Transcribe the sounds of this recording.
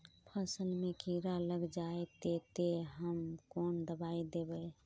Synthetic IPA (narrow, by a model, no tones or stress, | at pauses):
pʰəsəlmekiɾaləɡd͡ʒaet̪et̪eɦəmkond̪əbaid̪ebəj